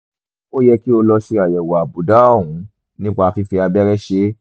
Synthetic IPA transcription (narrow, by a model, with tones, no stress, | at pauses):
o˦jɛ˧ki˦o˧lɔ˧ʃe˧a˨jɛ˨wa˨bu˨da˨˦ɔ˦˨ɦũ˨˦ | nĩ˦k͡pa˧fi˧fi˧a˧bɛ˦ɾɛ˦ʃe˦